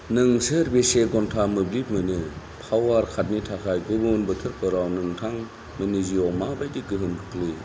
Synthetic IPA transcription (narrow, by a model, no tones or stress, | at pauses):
nɯŋsɯɾbeseɡɔntʰamɯblip̚mɯjnɯ | pʰawaɾkʰat̚nitʰakʰajɡɯbɯnbɯtʰɯɾkʰɯɾawnɯŋtʰaŋ | mɯniziɔmabajdikɯɦɯmkʰɯ̥kʰli